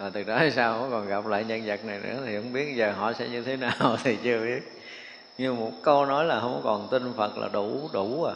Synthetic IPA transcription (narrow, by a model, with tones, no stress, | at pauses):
aː˨˩t̪ɨ˨˩ɗɔ˨˦aː˨˩jsaː˧whɔ̰˧˥˦kɔ˨˩nɣa˨˩p̚la̰ː˧˨jɲə˧nzə˨˩k̚na˨˩jnɨ̰˧˥ət̪ʰi˨˩hə̰˧˦ŋ͡mɓi˦˥ət̚zəː˨˩ɦɔ̰˧˨sɛ̰˧˥ɲɨ˧t̪ʰe˨˦naː˨˩wt̪ʰi˨˩t͡ɕɨ˧əɓi˦˥ət̚ | ɲɨ˧mo˨˩t̚kə˧wnɔ˨˦jlaː˨˩hə˧wŋ͡mkɔ˧˦˧kɔ˨˩nt̪ï˧ŋ̟fə˨˩t̚la̰ː˨˩ɗu˧˩ɗu˧˩a˨˩